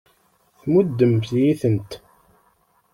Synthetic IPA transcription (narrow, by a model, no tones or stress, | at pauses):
θmud̪ːəmθjiθənt̪